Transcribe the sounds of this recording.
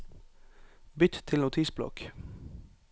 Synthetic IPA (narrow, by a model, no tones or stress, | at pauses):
bʏt̪t̪ʰɪlnʊt̪ʰisblɔ̰k